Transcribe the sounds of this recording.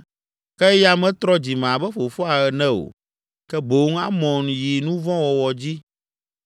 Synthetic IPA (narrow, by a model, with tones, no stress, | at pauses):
kɛ˦ja˦mɛ̃˦t̪ɾɔ˦d͡ʑi˨m̃˨a˨bɛ˦fo˨fɔ˦a˨ɣɛ˨nɛ̃˦o̰˨ | kɛ˦bo˨˦ŋ˦a˦mɔ̃˨nji˨nũ˦vɔ̃˦wɔ˨wɔ˨d͡ʑi˦